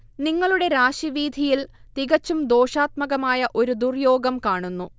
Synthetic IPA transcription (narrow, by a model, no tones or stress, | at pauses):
niŋːɐɭuɽe̞ɾaːɕiʋiːd̪ʱijilt̪iɣɐt͡ɕːumd̪o̞ːʂaːt̪̚mɐɣɐmaːjɐʔo̞ɾud̪urjo̞ːɡɐmkaːɳunːu